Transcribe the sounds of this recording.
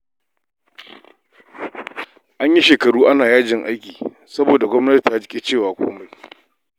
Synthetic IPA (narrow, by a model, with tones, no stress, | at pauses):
ʔa˦ɲji˦ʃeː˨kɐ˨ɽuː˦ʔa˦naː˨jaː˦d͡ʒɪ˨ŋʔa˦jkʲiː˨ | sɐ˦boː˨da˨ɡʷɔ˦mnɐ˦ti˨i˨a˦d͡ʒkʲʼe˦t͡ʃeː˦˨waː˨kʷo̰ː˦ma˦j